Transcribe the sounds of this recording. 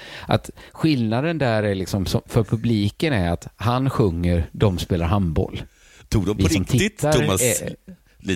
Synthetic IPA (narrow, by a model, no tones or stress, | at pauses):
ʔa̰t̪ɧɪlnad̪ənd̪æːɾæɭɪksɔmsɔmfœɾpʰɵbliːkənæɾat̪hanɧɵŋːəɾd̪ɔmspeːlaɾɦambɔ̰l | t̪ʰuːɡd̪ɔmvɪɾɪɔmt̪ʰɪɪt̪ːaʊɾmas